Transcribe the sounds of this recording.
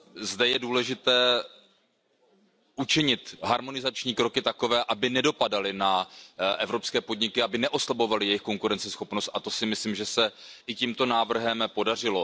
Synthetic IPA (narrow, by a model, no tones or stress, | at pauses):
zdɛjɛduːlɛʒɪt̪ɛː | ʔut͡ʃɪɲɪt̪ɦaɾmo̞nɪzat͡ʃɲiːkɾo̞kɪt̪ako̞vɛːʔabɪnɛdo̞padalɪnaʔɛvɾo̞pskɛːpo̞dɲɪkɪabɪnɛʔo̞slabo̞valɪjɛjɪxko̞ŋkuɾɛnt͡sɛsxo̞pnost̪̚ʔat̪o̞sɪmɪsliːmʒɛsɛʔɪciːmt̪o̞naːvr̩ɦɛmpo̞dar̝ɪlo̞